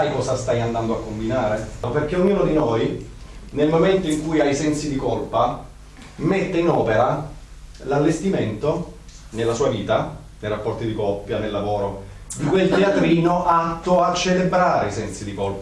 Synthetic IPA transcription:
ajkɔːsast̪ajand̪and̪oakːombinaːɾeperk̟eoɲːuːnod̪inojnelmoment̪oiŋkujajsɛnsid̪ikolpa | met̪ːeinɔːpeɾa | lalːest̪iment̪o | nelːasuːaviːt̪a | nejrapːɔrt̪id̪ikɔpːjanelːavoːɾo | d̪ikwelt̪eat̪ɾiːnoʔat̪ːoat͡ʃːelebɾaːɾeisɛnsid̪ikolpa

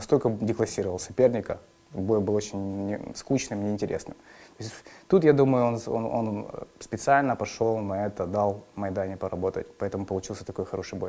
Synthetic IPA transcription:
nɐst̪o̞lʲkədʲɪklˠɐsʲiɾəvəlˠsɐpʲe̞rnʲɪkə | bo̞jbɨlˠot͡ɕɪnʲnʲɪskut͡ɕnɨmnʲɪɪnʲtʲɪɾʲʔḛsnɨ̰mt̪o̞ɪsʲt̪ut̪jad̪uməjʊono̰no̰nspʲɪt̪sɨalʲnəpɐʂlˠolˠnɐɛt̪əd̪ɑlˠmɐjd̪anʲɪpəɾɐbo̞t̪ə̰t̚ʲpɐɛt̪əmʊpəlˠʊt͡ɕilˠsʲə̥t̪ɐko̞jxɐɾʔo̞ʂɨjbo̞̰j

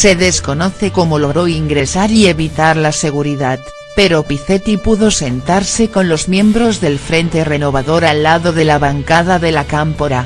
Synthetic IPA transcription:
se̞ðe̞sko̞noθeko̞moloɣɾoiŋɡɾe̞saɾie̞βit̪aɾlase̞ɣ̞uɾiðat̪̚ | peɾopiθet̪ipuðo̞se̞nt̪aɾseko̞nlo̞zmjẽ̞mbɾozðe̞lfɾe̞nt̪e̞re̞no̞β̞aðoɾalːaðoðe̞laβaŋkað̞aðe̞lakampoɾa

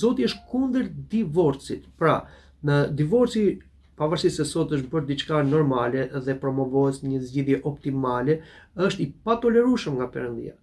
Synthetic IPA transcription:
zɔt̪iɛəʃkund̪əɾd̪ivɔɾsit̪pɾa̰ | nəd̪ivɔɾsi | pavaɾsisɛsɔt̪əʃ̬bəɾd̪it͡ʃkanɔɾmalɛðɛpɾɔmɔvɔɛsɲəzɟiðjɛʔɔpt̪imalɛəʃt̪ipat̪ɔlɛɾuʃəmŋɡapɛɾənd̪ḭa̰

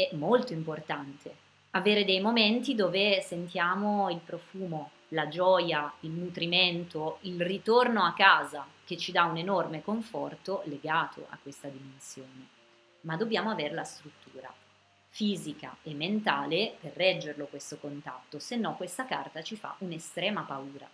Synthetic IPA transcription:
ɛmːolt̪oimport̪ant̪ʰe | aveːɾed̪ɛjmoment̪id̪oːvesent̪jaːmoilpɾofuːmo | lad͡ʒɔːjailnut̪ɾiment̪oilrit̪ornoakːaːzak̟et͡ʃːid̪aunenormekoɱfɔrt̪oleɡaːt̪ʰo̰ʔa̰kːwest̪ad̪imensjoːne | mad̪objaːmoaveɾelast̪ɾut̪ːuːɾa̰ | fiːzika̰emːent̪aːleperːɛd͡ʒːerlokwest̪okont̪a̰t̪ːosenːɔkːwest̪akart̪at͡ʃifa̰ʔunest̪ɾɛːmapauːɾa̰

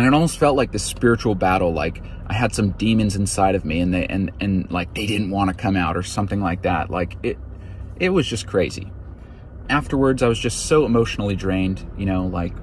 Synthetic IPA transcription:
ɨ̃ñɨɾɔlˠmoʊstfɛlˠt̚ˡlaɪk̚ðɨspɪɹɨt͡ʃul̩ˠbæɾl̩ˠla̰ɪk | ʔaɪɨd̥sʌ̃mdĩmɨ̃nzɨ̃n̩saɪɾʌvmiɨ̃nðeɪʔɨ̃nɨ̃nlaɪk̚ðeɪdɪdⁿn̩ʔ̚wɑ̃nɨkʰʌ̃maʊɾə˞sʌ̃mθɪ̃ŋlaɪk̚ðæ̰t̚lʔa̰ɪkɪɾ | ʔɪt̚wʌzd͡ʒʌskʰɹ̥eɪzḭ | æftə˞wə˞dzaɪwʌzd͡ʒʌstsoʊəmoʊʃn̩l̩ˠidɹẽɪ̃nd̥jɨɾ̃oʊla̰ɪk

